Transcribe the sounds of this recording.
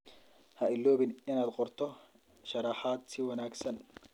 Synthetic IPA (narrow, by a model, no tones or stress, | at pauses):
hɐʔɪlːoːbɪnɪnaːd̪qʼɔɾt̪ʰɔ | ʃɐɾɑħat̪ʰːɪwɐnaːɡsɐn